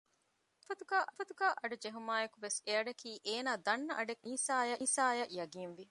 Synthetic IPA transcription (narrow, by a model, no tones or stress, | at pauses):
ɐfɐt̪uɡaːʔɐfɐt̪uɡaːʔɐɖud͡ʒeɦumaːjekuʋeseɐɖɐkʰiːʔeːnaːd̪ɐnːɐʔɐɖekiːsaːjɐːsaːjɐʔjɐɡiːnʋi